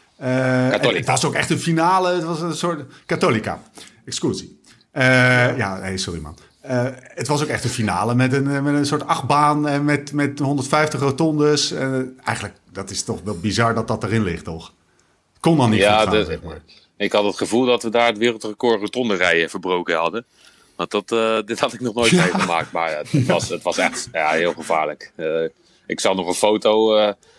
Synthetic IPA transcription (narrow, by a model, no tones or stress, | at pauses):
əətʋɑsokɛχtənfinaːləətʋɑsənsʊɹtkatolika̰ | ɛkskuzi | əja̰ːnejsʊrimɑ̰n | əətʋɑs̬owkɛχtənfina̰ːləmɛtənmɛtənsʊːɹtɑχbaːnɛnmɛtmɛtɦɔndəɹtfɛjftəχrowtɔndəsɛnɛ̰jχənlək̚ | d̥ɑtɪstɔχʋɛlˠbizɑɹdɑt̚dɑtərɪnlɪχtɔχ | kɔndɑnnijaazmaːɹ | ɪkhɑtətχəvulˠdɑtʋədaːɹətʋɪːrəlˠtrəkoːɹrotɔndərɛjəv̥əɹbrowkənɦɑdə | ʋɑndɑtdɪthɑtɪk̚nɔχnoːjtɛəma̰ːk̚tmaːtsətʋɑsɛχtjaːɦɪːlˠχəva̰ːɹlək | ɪksɑχnɔχə̃nfowtowə